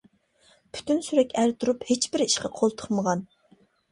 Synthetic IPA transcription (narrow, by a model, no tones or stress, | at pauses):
pʰy̥t̪ʰynsyɾɛkʲæɾt̪ʰuɾuphet͡ʃbɪɾiʃqɑqʰolˠt̪ʰə̥χməʁɑn